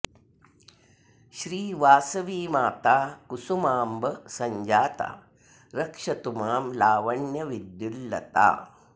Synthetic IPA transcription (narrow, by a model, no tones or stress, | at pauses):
ɕɾiːʋaːsɐʋiːmaːt̪aːkusumaːmbɐsɐɲd͡ʒaːt̪a̰ː | ɾɐkʂɐt̪umaːmlaːʋɐɳjɐʋid̪julːɐ̰t̪a̰ː